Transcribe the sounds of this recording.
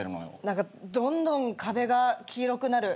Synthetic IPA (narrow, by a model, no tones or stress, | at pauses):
eɾɯ̟no̰jo̰nãŋkad̪õ̞nd̪õ̞ŋkʰabe̞ɡakʲiːɾo̞kɯ̟naɾɯ̟